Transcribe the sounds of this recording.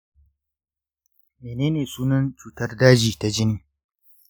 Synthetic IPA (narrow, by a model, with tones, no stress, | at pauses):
meː˨neː˦neː˨suː˦nɐ˦nt͡ʃuː˨tɐ˦rdaː˦d͡ʒiː˨ta˨d͡ʒɪ˦niː˦